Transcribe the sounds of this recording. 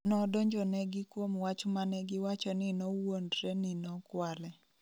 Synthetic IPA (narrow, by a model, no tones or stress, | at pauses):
nɔdoɲd͡ʒɔnɛɡɪkwomwat͡ʃmanɛɡɪwat͡ʃɔnɪnɔwondɾɛnɪnɔkwalɛ